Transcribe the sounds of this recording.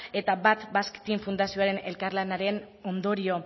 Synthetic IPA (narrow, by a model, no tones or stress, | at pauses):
e̞t̪abat̪baskt̪iɱfund̪asio̞aɾe̞ne̞lkarlanaɾe̞n | o̞nd̪o̞ɾio̞